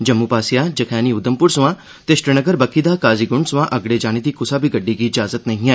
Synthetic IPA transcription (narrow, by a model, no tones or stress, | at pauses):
d͡ʒɐmːupaːsijaːd͡ʒɐkʰɛːniʊd̪əmpʊɾsuʋã | t̪eʃʈɾənɐɡəɾbɐkːid̪aːkaːziɡʊɳɖsuʋãʔɐɡɽed͡ʒaːñed̪ikʊsabʱiɡɐɖːikiːd͡ʒaːzət̪nɐɦĩɛː